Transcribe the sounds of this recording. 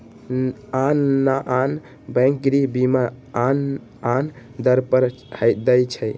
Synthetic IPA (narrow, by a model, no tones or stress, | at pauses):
anːaʔan | bə̃jŋk̚ɡɾibimaan | an | d̪əɾpəɾ | həd̪əjt͡ʃʰəj